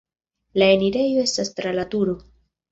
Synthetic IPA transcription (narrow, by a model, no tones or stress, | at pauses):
lae̞niɾe̞jo̞e̞stastɾalatuɾo̞